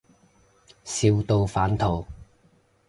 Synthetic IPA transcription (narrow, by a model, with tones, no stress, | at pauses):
siː˧wt̪o˧wfaː˨˥nt̪ʰo˨˩w